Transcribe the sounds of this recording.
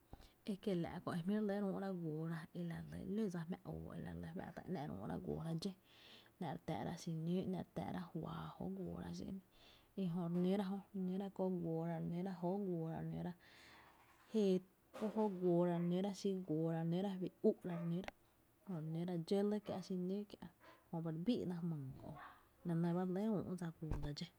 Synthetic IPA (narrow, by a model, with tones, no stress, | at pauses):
e˧ke˧la̰˨ʔko˧ʔe˧mĩ˦ɾle˦ɾũː˧˦ʔɾa˦˧ɡʷoː˨ɾa˧e˧la˨lə̰˧˨li˦˨d͡za˧hmɛ̰̃˧ʔo̰ː˨ḛ˧la̰˨lə˧wa̰˧˨t̪a̰˧˨ʔnɛ̃˧˨ɾṵ̃ː˧˦ɾa̰˧ɡʷo̰ː˨ɾa˧d͡ʒe˦ | nã˧˨ɾt̪ɛ̰˨ɾa̰˧ʔʃi˧nĩː˦ʔnã̰˧˨ɾt̪ɛ̰˨ʔɾa˦hwaː˨ho̰˦ʔɡʷoː˨ɾa̰˧ʃḭ˧nĩ˦ | i˧ɦõ˧ʔɾnĩ˦ɾa˦ɦo˧ɾnĩ˦ɾa˦ko˦ʔɡʷoː˨ɾa˧ɾnĩ˦ɾa˦ɦo˦ʔɡʷo˨ɾa̰˧nĩ˦ɾa˦ | he˧ | ko˦ho˦ʔɡwʷoː˨ɾa˧ɾnĩ˧˦ɾa˦ʃi˦˧ɡʷoː˨ɾa˧nĩ˦ɾa˦bi˨u˦ʔɾa˧ɾnĩ˦ɾa˦ | hõ˧˨ɾnĩ˧˦ɾa˧d͡ʒe˦lə˦kja˧ʔʃi˧nĩ˦kja˧ʔhõ˧ba˧ɾbḭː˦ʔnã˧mɨ̃˨ko̰˧˨ | nã˧nə̃˧ba˦lẽ˦ṵ̃ː˧˨ʔd͡za˧ɡʷoː˨d̪a˧d͡ʒe˦